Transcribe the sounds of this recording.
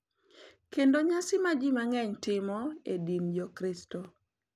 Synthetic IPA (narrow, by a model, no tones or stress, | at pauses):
kendoɲasɪmad͡ʒimaŋɛɲtɪmɔedimjɔkɾɪsto